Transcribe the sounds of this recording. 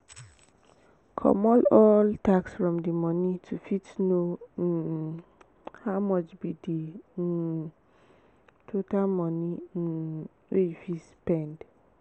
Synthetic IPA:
kʰɔ̰mɔlɔltʰaksfɹɔ̃mdimɔnitʰufitno | haʊmɔt͡ʃbidi | tʰotalmɔ̃ni | wefispɛ̃nd

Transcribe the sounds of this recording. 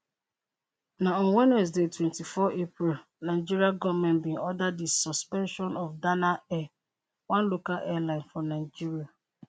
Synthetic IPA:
naɔ̃nwɛnɛs̬detwɛ̃ntifɔʔepɾil | naɪd͡ʒiɾiaɡɔvmɛ̃nbĩnɔdaddisɔspɛ̃nʃɔ̃nɔfdanaɛ | wãnlokalʔɛlãɪ̃nfɔnaɪd͡ʒiɾia

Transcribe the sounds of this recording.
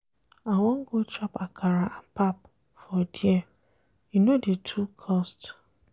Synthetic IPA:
awɔŋ̩ɡot͡ʃɔpakʰaɾaʔapap | fɔdie | inodetʰukʰɔst

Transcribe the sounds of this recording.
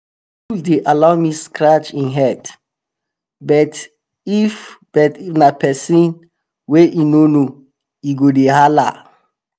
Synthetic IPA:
uldeʔalaʊmiskɹat͡ʃĩnɦɛd | bɛt | ifb̥ɛtnapʰɛsĩn | weʔinono | iɡodeɦala̰

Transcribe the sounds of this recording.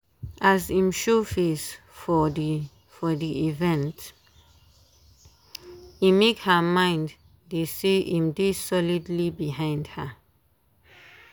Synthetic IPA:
ʔazĩmʃofes | fɔ | fɔdiivɛ̃nt | imekhəmãɪ̃ndː | eseʔĩmdesɔlidlibiɦãɪ̃ndha

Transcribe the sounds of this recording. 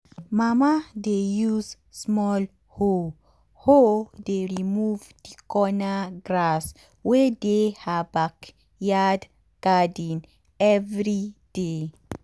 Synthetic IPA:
mamadejuz | smɔl | ho | hodeɹimuvd̥ikɔnaɡɾas | wɛdehabak | jad | ɡ̥adĩn | ɛvɾid̥e

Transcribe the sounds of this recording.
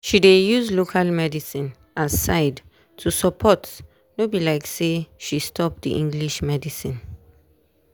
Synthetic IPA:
ʃidejuzlokʰalmɛdisĩn | asaɪd | tʰusəpʰɔts | nobilaɪkseʃistʰɔp̚d̪ḭʔĩŋɡliʃmɛdisĩn

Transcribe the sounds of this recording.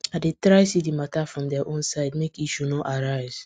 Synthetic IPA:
adetɹaɪsidimatafɹɔ̃mdɛaʔõnsaɪdmekiʃunɔʔaɹaɪz̥

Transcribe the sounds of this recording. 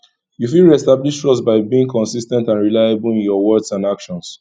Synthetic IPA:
jufilɹiɛstabliʃtɹɔstbaɪbiĩŋkɔ̃nsistɛ̃ntãnɹilaɪabulĩnjɔwɔdsãnakʃɔ̃ns

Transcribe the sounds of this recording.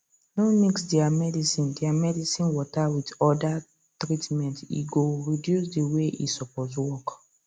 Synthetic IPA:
nomiksdɛamɛdisĩndiamɛdisĩnwɔtawitɔda | tɹitmɛ̃ntḭɡoɹidjusdiweʔḭsɔpɔswɔk

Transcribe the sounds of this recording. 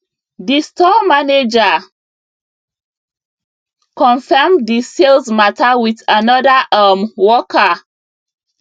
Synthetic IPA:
distɔmaned͡ʒa | kɔ̃nfɛmdiselzmatawiθanɔdaʔamwɔka

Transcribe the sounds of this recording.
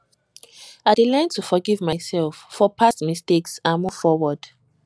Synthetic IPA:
adelãntʰufɔɡivmajsɛlfːɔpʰasmisteksãmuvfɔwɔd̥

